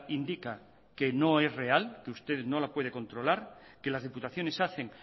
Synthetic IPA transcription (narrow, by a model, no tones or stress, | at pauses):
ind̪ika | ke̞no̞e̞zre̞alkeust̪eðno̞lapwe̞ðeko̞nt̪ɾo̞laɾke̞lazðeput̪aθjo̞ne̞saθeŋ